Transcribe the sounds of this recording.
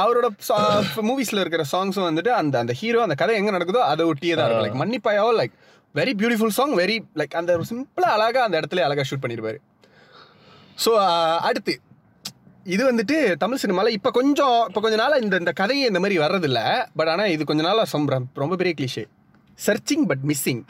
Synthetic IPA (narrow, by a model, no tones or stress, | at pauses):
ɐʋɐɾoːɽɐsmuːʋiːsɪlɐɪɾɯk̬ːɪɾɐsaːŋɡsʊ̃ʋɐnd̪ɯʈːɯɐnd̪ɐɐnd̪ɐhiːɾoːɐnd̪ɐkɐðɐɪɛŋɡɐnɐɽɐkːɯðõːɐðɛɔʈːɪjɐt̪ãːɪɾɯkɐ̃lɐɪkːmɐnːɪpːaːjaːʋɐlɐɪk̚ | ʋɛɾibjuːʈɪfʊlsɔːŋʋɛɾilɐɪkːɐnd̪ɐsɪmplɐːlaːɣaɐnd̪ɐɛɽɐt̪ːɪleːɐlaːɣaːʂuːʈ̚pɐɳːɪɾɯpaːɾɯ | soːɐɽɯt̪ːɯ | ɪðɯʋɐnd̪ɯʈ̬ːɯt̪ɐmɪɭsɪnɪmaːlɐɪpːoːkɔɲd͡ʒɔ̃ɪpːoːkɔɲd͡ʒɔnaːlɪnd̪ɪnd̪ɐkɐðɐɪɪnd̪ɐmaːd̪ɾiʋɐɾɾɐðɪlːɐbɐʈːaːnaːɪðɯkɔɲd͡ʒɔnaːlɐsɔmɾɐɾɔmbɐpɛɾijɐklɪʃḛ | sɐɾt͡ʃɪ̃ŋbɐʈ̬̚mɪsːɪŋ